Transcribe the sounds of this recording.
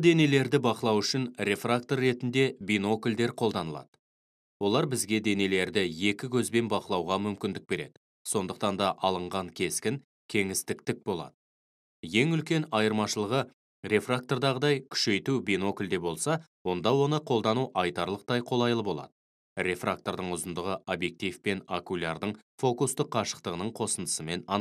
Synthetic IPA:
d̪e̞ne̞le̞ɾd̪ɪbɑqəlˠɑwʏʃɪnɾʲe̞frak̚t̪o̞rːe̞t̪ɪnd̪e̞bino̞kʲɪld̪e̞ɾqʰo̞lˠd̪ɑnəlˠɑ̰d̪̥ə̥ | wo̞lˠɑɾbɪzɡʲe̞d̪e̞ne̞le̞ɾd̪ɪje̞kʲɪkʲʰɵzbe̞nbɑqəlˠɑwʁɑmʏmkʲɪnd̪ɪk̚be̞ɾe̞̰d̪ɪ | so̞nd̪əq̚t̪ɑnd̪ɑʔɑlˠəɴʁɑŋkʲʰe̞skʲɪŋ | kʲʰe̞ŋɪst̪ɪk̚t̪ɪk̚bo̞lˠɑ̰d̪̥ə | je̞ŋʏlkʲe̞nɑjəɾmɑʃəlˠəʁə | ɾe̞frak̚t̪o̞rd̪ɑʁəd̪ɑjkʲʰʏ̥ʃe̞jt̪ubino̞kʲʊlʲd̪e̞bo̞lˠsɑwo̞nd̪ɑwo̞nəqʰo̞lˠd̪ɑnuʔɑjt̪ɑɾlˠəq̚t̪ɑjqʰo̞lˠɑjlˠəbo̞lˠɑ̰d̪̥ə | ɾe̞frʔa̰k̚t̪o̞ɾd̪əɴʊzənd̪əʁəʔobje̞k̚t̪ivpe̞nakulʲɑɾd̪əɴfo̞kust̪əqʰːɑʃə̥qt̪əʁənəɴqʰo̞sənd̪ə̥səme̞nɑ

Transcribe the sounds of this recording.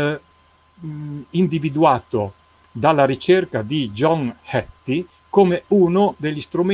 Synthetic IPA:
ind̪ivid̪uaːt̪o | d̪alːaɾit͡ʃerkad̪id͡ʒɔŋhɛt̪ːi | koːmeuːnod̪eʎːist̪ɾume

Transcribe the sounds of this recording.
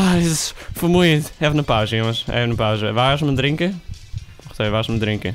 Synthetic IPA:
aisu̥fojmũj̃t̪u̥ɛvnɐpaʒiɐmɐʃɛ̰vnɐpaʒiɐvaʃmd̪ɾĩŋkɐ | oʁt̪ejvaʃmd̪ɾĩŋkɐ

